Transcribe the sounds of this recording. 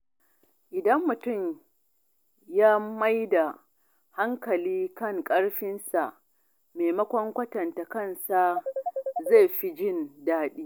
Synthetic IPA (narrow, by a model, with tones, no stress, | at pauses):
ʔɪ˨dɐ˦mːʊ˨tʊ˦˨m | jaː˦ma˦jda˨ | ha˦ŋkɐ˨liː˦kɐ˦ŋkʼɐ˦ɽɸɪ˦nsa˨ʔ | meː˨mɐ˦kʷɔ˦ŋkʷɐ˦tɐ˨nta˨kɐ˦nsa˦˨ | za˦˨jɸi˦d͡ʒɪ˦˨ndaː˦ɗiː˦